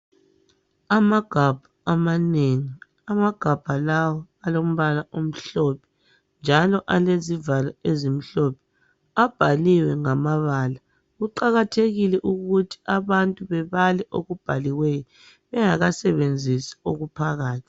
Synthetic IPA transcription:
amaɡ̥ʱab̥ʱaamaneŋi | amaɡ̥ʱab̥ʱalawɔ | alom̩βalaʔom̩ɬɔpʰɛ̥ | nd͡ʒʱalɔʔalezivalɔezim̩ɬɔpʰɛ̥ | ab̥ʱaliwɛŋamaβaːla | ɣuǃaɣatʰeɣilɛʔuɣutʰi̥ʔaβantʼuβɛβalɛʔoɣub̥ʱaliwɛjɔ | βɛŋaɣasɛβend͡zʱisi̥oɣupʰaɣaːtʰi̥

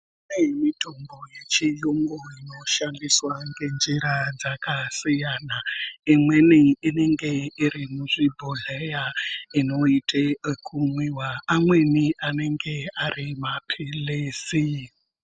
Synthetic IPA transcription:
anemitombo̞je̞t͡ʃijoŋɡoino̞ʃandiswaŋɡe̞nd͡ʒiɾad͡zakasijaːnaimwe̞niine̞ŋɡe̞iɾimuʐibʱoɮejaino̞itʰekʰumwiwaamwe̞niane̞ŋɡe̞arimapʰeleːsi

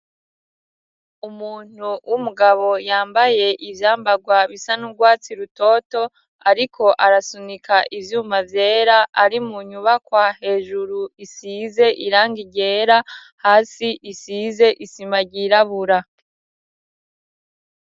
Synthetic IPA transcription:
umuːn̥uwʔumuɡaβo̞jaːmbaje̞ʔivjaːmbaɡwaβisanuɾɡwaːt͡siɾuto̞to̞ | aɾikʰo̞ʔaɾasunikʰaʔivjuːmavje̞ːɾaʔaɾimuɲuβakwahe̞ːʒuɾuisize̞ʔiɾaːŋɡiɡɟe̞ːɾa | haːsiʔisize̞ʔisimaɟiɾaβuɾa

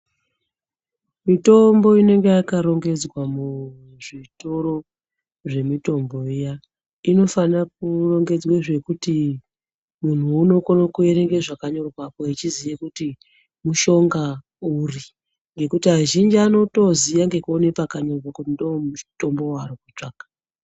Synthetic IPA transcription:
mito̞mbo̞ine̞ŋɡeakaɾo̞ŋɡe̞d͡zwamu | ʐito̞ɾo̞ | ʐe̞mito̞mbo̞ija | ino̞fanak̚uro̞ŋɡe̞d͡zweʐe̞kuti | mun̤uuno̞korokue̞ɾe̞ŋɡeʐakaɲo̞rwakoit͡ʃizijekuti | muʃo̞ŋɡa | uri | ŋɡe̞kutiɦaʒind͡ʒiano̞to̞zijaŋɡe̞kuone̞pakaɲo̞rwakutindomuto̞mbo̞waɾikut͡ʂaːkḁ

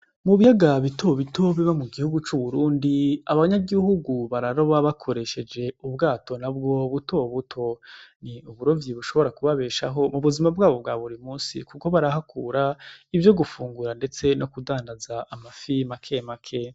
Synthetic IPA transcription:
muβijaɡaβitʰo̞βito̞βiβamuɡihuɡut͡ʃuβuɾuːndiaβaɲaɡihuɡuβaɾaɾo̞βaβakʰo̞ɾe̞ʃe̞d͡ʒe̞ubɡaːto̞nabɡo̞βutoβutʰo̞niuβuɾo̞vjiβuʃo̞βo̞ɾakuβaβe̞ːʃa̰ɦo̞muβuzimabɡaːβo̞b̚ɡaːβuɾimuːnsḭkuko̞βaɾaɦakʰuːɾaivjo̞ɡufuːŋɡuɾande̞t͡se̞no̞kudaːndazaʔːmafimakʰe̞makʰe̞

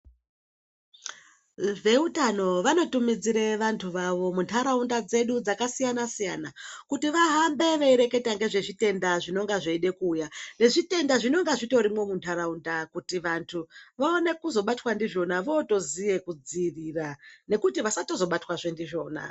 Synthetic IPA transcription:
ve̞utano̞ʋano̞tumid͡ziɾeʋantʰuʋaʋo̞muntʰaɾaundad͡ze̞ɗud͡zakasijanasijanakutiʋaɦambe̞ʋeiɾe̞ke̞taŋɡe̞ʐe̞ʐite̞ndaʐino̞ŋɡaʐeiɗe̞kuːjane̞ʐite̞ndaʐino̞ŋɡaʐito̞ɾimo̞muntʰaɾaundakutiʋantʰuʋaone̞kuzo̞ɓatwandiʐo̞naʋoːto̞zije̞kud͡ziːrirane̞kutiʋasatozo̞ɓatwaʐendiʐo̞ːna̰

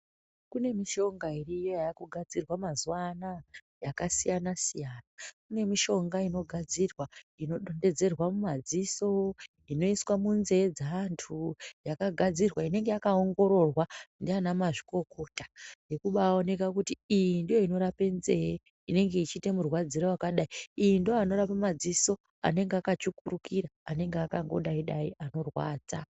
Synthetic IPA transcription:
kune̞miʃo̞ŋɡairijo̞jaakuɡʱad͡zirwamazuwana | jakasijanasijaːnakune̞miʃo̞ŋɡaino̞ɡʱad͡zirwaino̞ɗo̞nde̞d͡ze̞rwamumad͡ziso̞ | ino̞iswamunze̞d͡zaantʰujakaɡʱad͡zirwaine̞ŋɡe̞jakaoŋɡo̞ɾo̞rwandianamaʐi̥ko̞ko̞tḁje̞kuɓaːo̞ne̞kakutiijindijo̞ino̞ɾape̞nze̞je | ine̞ŋɡe̞it͡ʃite̞murwad͡zirowakaɗaiijindijoano̞ɾapamad͡ziso̞ | a̰ne̞ŋɡeakat͡ʃukurukiɾaːne̞ŋɡeakaŋɡo̞̰ɗaiɗaiʔano̞rwa̰ːd͡za

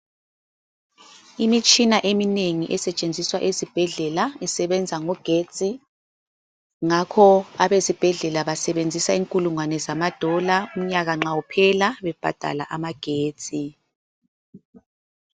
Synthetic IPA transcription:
imit͡ʃʼinaʔemineŋiʔɛsɛt͡ʃʼend͡zʱiswaʔezib̥ʱɛɮɛlaɛsɛβɛnd͡zʱaŋɔɡ̥ʱe̥t͡sʼi | ŋakʰɔaβezib̥ʱɛɮɛlaβasɛβend͡zʱisaiŋkʼuluŋwanɛzamad̥ʱɔlaum̩ɲaɣaŋ͡ǁawupʰɛlaβɛb̥ʱa̰d̥ʱa̰laʔamaɡ̥ʱe̥ːt͡sʼi

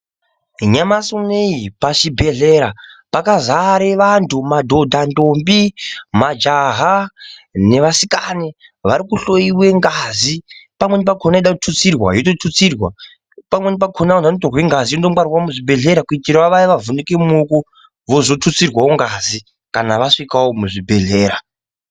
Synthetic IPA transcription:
ɲamasoneipat͡ʃibʱe̞ɮe̞ɾapakazaɾeʋantʰumadʱo̞dʱandombimad͡ʒaɦa | ne̞ʋasikaneʋaɾikuɬo̞iwe̞ŋɡazipamwe̞nip̬akʰonaeɗakutʰut͡sirwa̰jototʰut͡sirwa̰ | pamwe̞nipakʰonaonanotorweŋɡazijondomwarwamuʐibʱe̞ɮe̞ɾakuitiɾaʋaiʋavunekemuku | ʋo̞zo̞tʰut͡sirwaoŋɡazi | kanaʋaʂikawomuʐibʱe̞ɮe̞ːɾa

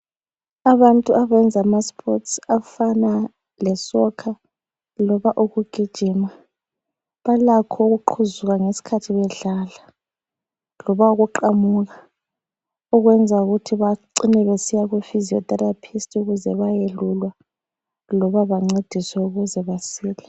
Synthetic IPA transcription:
aβantʼuʔaβɛnd͡zʱamaspʰɔtsafana | lɛsɔkʰa | lɔβaʔuɣuɡ̥ʱid̥ʒ̥ʱiːma | βalakʰɔɣuǃʰuzuɣaŋesi̥kʰatʰiβɛɮala | lɔβauɣuǃamuɣa | ɔɣwɛnd͡zʱauɣutʰiβaǀinɛβesijaɣwufiziɔ̰tʼarapʰistʰʼuɣuzɛβajelulwa | lɔβaβaŋ͡ǀed̥ʱisɛuɣuzɛβasiːlɛ

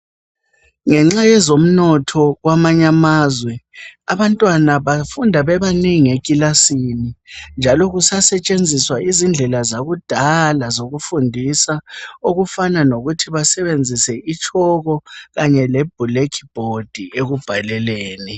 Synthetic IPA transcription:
ŋɛŋ͡ǁajɛzom̩nɔtʰɔɣwamaɲamaːzwɛaβantʼwanaβafundʱaβɛβaniŋiekʼilasinind͡ʒʱalɔɣusasɛt͡ʃʼend͡zʱiswaʔizind͡ɮʱɛlazaɣud̥ʱalazoɣufundʱisaoɣufananoɣutʰiβasɛβend͡zʱisɛʔit͡ʃʰʼɔɣɔɣaɲɛleb̥̚ʱulekʰi̥b̥ʱod̥ʱieɣub̥ʱalɛleːni

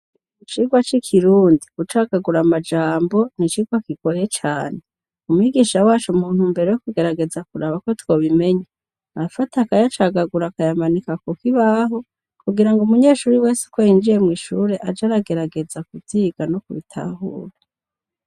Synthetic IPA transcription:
it͡ʃiːɡwat͡ʃikʰiɾuːndikut͡ʃaɡaɡuɾamad͡ʒaːmbo̞nit͡ʃiːɡwakiɡojet͡ʃaːne̞ | umuiɡiːʃawaːt͡ʃumuːn̥humbe̞ɾejokuɡe̞ɾaɡe̞zakuɾaːβako̞two̞ːβime̞ɲa | afatakajat͡ʃaɡaɡuɾakajamanikakokiβaɦo̞ | kuɡiɾaŋɡumuɲe̞ːʃuːɾiwe̞ːsu̥kwojind͡ʒije̞mŋiːʃuːɾe̞ʔad͡ʒaɾaɡe̞ɾaɡe̞zakuvziːɡanokuβitʰa̰hṵːɾa

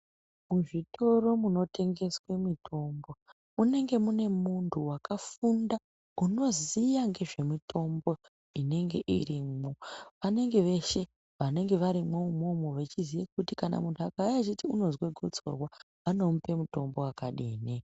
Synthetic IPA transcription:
muʐitʰo̞ro̞muno̞tʰe̞ŋɡe̞swe̞mitʰo̞mbo̞ | une̞ŋɡe̞mune̞muntʰuwakʰafunda | uno̞zijaŋɡe̞ʐe̞mitʰo̞mbo̞ | ine̞ŋɡe̞ʔḭrimoʋane̞ŋɡe̞ʋe̞ʃe̞ | ʋane̞ŋɡe̞ʋaɾimwoumomoʋe̞t͡ʃizijak̚utikana̰muntʰuakajat͡ʃitiuno̞zweɡʱo̞t͡so̞̰rwa | ʋano̞mupe̞muto̞mbo̞akaɗiːne

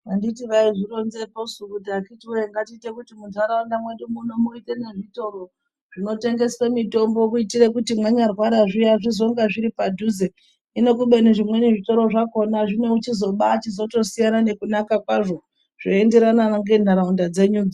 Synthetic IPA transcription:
anditiʋaiʐiɾo̞nze̞posukudakitiujeŋɡatiːte̞kutimunzaɾaundamwe̞ɗumunomuite̞ne̞ʐito̞ɾo̞ | ʐ̥ino̞te̞ŋɡe̞swe̞mito̞mbo̞kuitire̞kutimwaɲarwaɾaʐijaʐizo̞ŋɡaʐiɾipadʱuze | ino̞kuɓe̞neʐimwe̞neʐito̞ɾo̞ʐako̞naʐimwe̞ut͡ʃizo̞ɓaːt͡ʃizo̞to̞sijanane̞kunakakwaʐo̞ | ʐ̥o̞e̞nde̞ɾananaŋɡe̞n̤aɾaundad͡ze̞ɲud͡za

